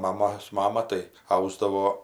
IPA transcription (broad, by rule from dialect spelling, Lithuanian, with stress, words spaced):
mɐˈmoːs ˈmɑːmɐ tɐɪ ˈɐʊzdɐʋoː